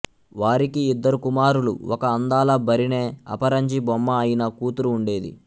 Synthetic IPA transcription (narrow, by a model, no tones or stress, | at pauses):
ʋaːɾikiːd̪ːɐɾukumaːɾulṵɔkɐːnd̪aːlɐbɐɾineːɐ̰pɐɾɐɲd͡ʒibɔmːɐːjinɐkuːt̪ɾuːɳɖe̞ːd̪ḭ